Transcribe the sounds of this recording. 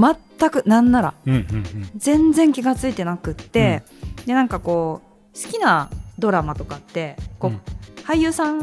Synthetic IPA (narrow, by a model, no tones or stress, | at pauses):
mat̪ːakɯ̟nãnːaɾa̰ | d͡zẽ̞nd͡zẽ̞ŋkʲiɡat͡sɨit̪e̞nakɯ̟t̪ːe̞ | d̪e̞nãŋkako̞ː | sɨ̥kʲinad̪o̞ɾamat̪o̞kat̪ːe̞ko̞ːhaijɯ̟ːsãŋ